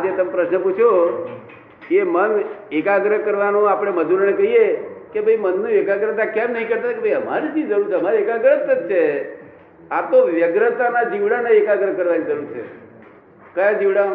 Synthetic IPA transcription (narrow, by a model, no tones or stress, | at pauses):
ad͡ʒet̪əmepɾəʃnəput͡ʃʰo | kemənekaɡɾəɦkəɾʋanũapɽ̃eməd͡ʒuɾnekəɦiekebʱəimənːĩʋjəɡaɡɾət̪akɛmnəɦĩkəɾt̪akebʱəiəmaɾit͡ʃĩd͡ʒəɾuɾt͡ʃəmaɾekaɡɾət̪ːət͡ʃʰe | at̪oʋjəɡɾət̪anad͡ʒiʋɽaneekaɡɾəɦkəɾʋanid͡ʒəɾuɾt͡ʃʰḛ | kəjad͡ʒiʋɽa